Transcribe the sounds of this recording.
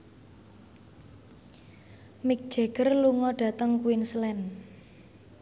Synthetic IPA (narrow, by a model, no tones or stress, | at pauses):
mik̚d̥ʒ̥e̤ɡ̥ərluŋɔɖ̥ä̤t̪əŋkuwinslɛn